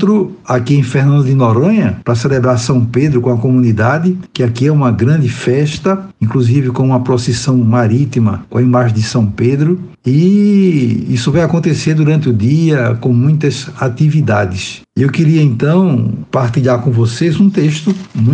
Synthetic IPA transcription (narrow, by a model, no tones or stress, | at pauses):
t̪ɾʊakiẽj̃fehnɐ̃nd̪ʊd̪ɪnoɾɐ̃ɲɐpɾɐselebɾaɾsɐ̃w̃ped̪ɾʊkõɐkomũnid̪ad̪ɪkɪakiɛũmɐɡɾɐ̃nd̪ɪfɛʃt̪ɐĩkluzivɪkõũmɐpɾosɛsɐ̃w̃maɾit̪imɐkõɐĩmaʒẽd̪ɪsɐ̃w̃ped̪ɾʊ | i | isʊvajakõnt̪eseɾd̪uɾɐ̃nt̪ɪʊd̪iɐkõmũj̃t̪ɐzat̪ivid̪ad̪ɪs | ewkɪɾiɐẽnt̪ɐ̃w̃paɾt̪iʎaɾkõvosezũt̪eʃt̪ʊmũ